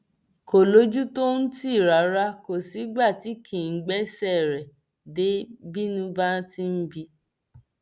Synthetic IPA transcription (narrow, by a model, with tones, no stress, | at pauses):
ko˨lo˨˦d͡ʒu˦to˦n̩˦ti˦˨ɾa˨˦ɾa˧ko˨si˨˦ɡ͡ba˦˨ti˨˦kʰĩ˨ŋ̩˨˦ɡ͡bɛ˦sɛ˦˨ɾɛ˨ | de˨˦bi˦nũ˦ba˦ti˦n̩˦bi˧